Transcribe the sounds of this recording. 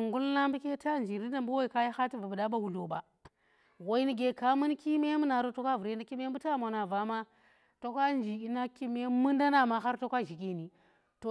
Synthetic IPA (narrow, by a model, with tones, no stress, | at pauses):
ŋɡu˦lla˦mbi˦ke˦ta˦˨nd͡ʒi˨ɾi˦na˦mbu˦wo˦i˨ka˦ja˦xa˦ti˦va˨bu˨da˦ba˦wu˨lo˨ba˨ | wo˨i˦ni˦ɡe˨ka˦mɨ˦nki˦me˦mu˦na˨ɾo˦to˦kʷa˦vu˨ɾe˦na˦ki˦me˦m˦bu˦ta˦˨mo˨na˨va˨ma˦ | to˦kʷa˦nd͡ʒi˨i˦na˦ki˦me˦mɨ˦nda˦na˨ma˨xa˦ɾto˦kʷa˦ʒi˨k̬e˨ni˨ | to˨